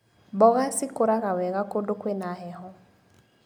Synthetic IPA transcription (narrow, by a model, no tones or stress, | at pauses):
bɔɣasɪkoɾaɣawɛɣakodokwenaɦɛɦɔ